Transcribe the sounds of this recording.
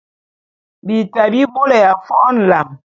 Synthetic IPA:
bi˨ta˨bi˦bo˦lɛ˨ja˨fɔ˦n̩˨la˨m

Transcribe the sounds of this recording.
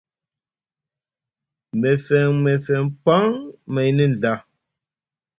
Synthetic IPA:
mɛ˨fɛ˨ŋmɛ˨fɛ˨ŋpa˦ŋmɛ˨˦ni˦n̩˨da˦˨

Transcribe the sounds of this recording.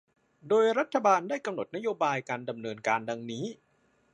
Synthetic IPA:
doː˧jɾa˦˥t̪ʰːa˧baː˧ndaː˥˩jka˧mno˨˩t̪̚na˥joː˧baː˧jkaː˧nda˧mnɤː˧nkaː˧nda˧ŋniː˦˥

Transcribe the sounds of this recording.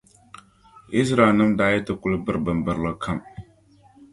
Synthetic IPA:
ʔi˦sɾa˨nɨ˦mdaː˦jɛ˦tɨ˨kʊ˦lɨ˦bɨ˦ɾbɨ˨mbɨ˨ɾlɨ˨kʰa˦˨m

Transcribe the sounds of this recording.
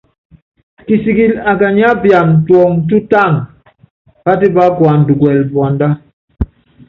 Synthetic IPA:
ki˨si˨ɡi˨la˨ɡa˨ɲ˦a˦bja˨m̩˨twɔ˨ŋt̬u˦ta˦˨ŋ | b̥a˦di˦ba˦ɡwa˨n̩˨du˨ɡwɛ˨lbwa˨nda˦

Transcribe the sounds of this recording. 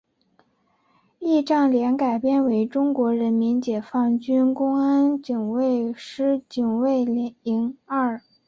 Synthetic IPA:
i˥˧ʈ͡ʂɑ˥˩ŋljɛ˧˥nka˨˩ɪpjɛ˥nwe˧˥ɪʈ͡ʂʊ˥ŋkwɔ˧˥ɻə˧˥nmi˧˥nt͡ɕjɛ˨˩fɑ˥˩ŋt͡ɕy˥nkʊ˥ŋa˥nt͡ɕi˨˩ŋwe˥˩ɪʂɻ̩˥t͡ɕi˨˩ŋwe˥˩ɪli˧˥ŋa˥˩

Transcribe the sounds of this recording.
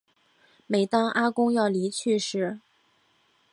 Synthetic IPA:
me˨˩ɪt̪ɑ˥ŋʔa˥kʊ˥ŋjɑ˥˩ʊli˧˥t͡ɕʰy˥˧ʂɻ̩˥˩

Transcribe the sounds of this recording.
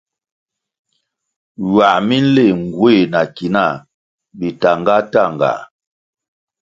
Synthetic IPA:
wa˨ʔmi˦n̩˦le˦˨ŋ˨ɡwe˦˨na˨ki˨na˦˨ | bi˨ta˨ŋɡa˦ta˦˨ŋ˨ɡa̰˨

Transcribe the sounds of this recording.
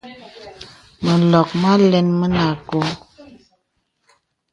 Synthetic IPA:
mə˨lɔ˨k̚ma˦lɛ˦nmə˦na˨ko˨˦

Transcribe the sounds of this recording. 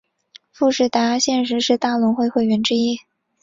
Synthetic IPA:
fu˥˧ʂɻ̩˥˩t̪a˧˥ɕjɛ˥˧nʂ̬ɻ̩˧˥ʂɻ̩˥˧t̪a˥˩lʊ˧˥ŋxwe˥˧ɪxwe˥˩ɪɥɛ˧˥nʈ͡ʂɻ̩˥i˥

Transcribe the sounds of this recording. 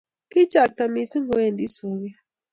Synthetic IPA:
ki˦t͡ʃa˨k̚ta˨mi˨si˦ŋɡo˨e˨ndi˦so˨ɣa˦

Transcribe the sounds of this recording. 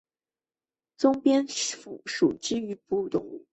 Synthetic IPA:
t͡sʊ˥ŋpjɛ˥nfṵ˨˩ʂu˨˩t͡ɕ̩˥y˧˥pu˥˩t̪ʊ̰˥˩ŋ

